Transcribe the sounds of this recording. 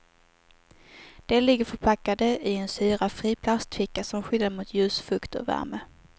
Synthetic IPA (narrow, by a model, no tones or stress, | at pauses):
d̪̥ɛlɪɡːəɾfœɾpʰakːad̪əʔɪɛnsyːɾafɾiːpʰlast̪fɪkːasɔmɧʏlːaɾmʊt̪ʰjʉ̟ːsfɵkt̪ɔ̰væ̰ɾmə